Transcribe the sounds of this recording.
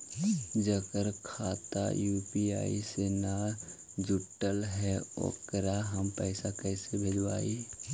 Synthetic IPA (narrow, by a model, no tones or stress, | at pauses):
d͡ʒəkəɾkʰaːt̪a̰juːpia̰ːisena | d͡ʒʊʈːəlɦɛo̰kəɾaɦəmpɛːsakɛːsebʱeːd͡ʒwa̰ːi